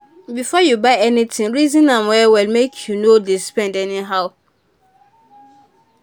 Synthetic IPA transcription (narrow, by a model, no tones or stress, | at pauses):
bifɔjubaɪɛnitʰɪ̃ŋɹizĩnãmwɛwilmekʰjunodispɛ̃ndɛniɦaʊ